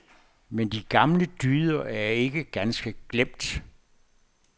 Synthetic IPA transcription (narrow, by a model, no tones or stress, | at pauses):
mend̥iɡ̥ɑ̈mləd̥yːðˠɐæɐe̝ɡ̥əɡ̥ænsɡ̥əɡ̥lem̰d̥